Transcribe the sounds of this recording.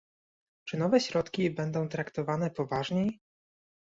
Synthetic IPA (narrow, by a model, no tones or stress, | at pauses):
t͡ʂɘnɔvɛɕɾɔt̪kʲibɛnd̪ɔ̃w̃t̪ɾakt̪ɔvanɛpɔvaʐɲej